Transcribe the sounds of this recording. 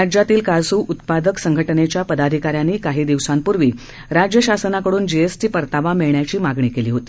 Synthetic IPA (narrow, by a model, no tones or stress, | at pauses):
ad͡ʑjat̪iːlkasuːʔut̪pad̪əksəŋɡʱəʈənet͡ɕjapəd̪ad̪ʱikaɾjanːiːkaɦiːd̪iʋsampuɾʋiː | ɾad͡ʑjəɕasənakəɽuːnd͡ʑeesʈiːpəɾt̪aʋameɭɳjat͡ɕiːmaɡɳiːkeliːɦot̪i̥ː